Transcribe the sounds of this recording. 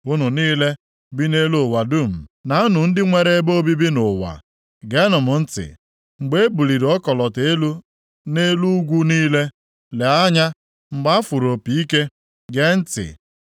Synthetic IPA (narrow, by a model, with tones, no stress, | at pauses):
ʊ˦nʊ˨niː˦le˦ | bi˦ne˦lo˦˨wa˨dʊ˦m̩˨na˨a˦nʊ˨n̩˦dɪ˦ŋʷe˦ɾe˦e˦bo˦bi˦bi˦nʊ˨wa̰˨ | ɡe˦nʊ˨mʊ˨n̩˦tɪ̰˨ | ŋ͡m̩˨ɡ͡be˦e˦bu˨li˨ɾɔ˦kɔ˨lɔ˨te˦lu˦ | ne˦lu˦ɡʷu˦niː˦le˦ | le˨a˦ɲa˦ | ŋ͡m̩˨ɡ͡ba˦fu˨ɾo˨pi˨i˦ke˦ | ɡe˦n̩˦tɪ̰˨